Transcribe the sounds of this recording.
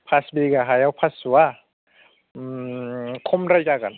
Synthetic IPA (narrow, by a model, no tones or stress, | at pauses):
pʰasbiɡaɦajawpʰasuwa | kʰomɾajkakan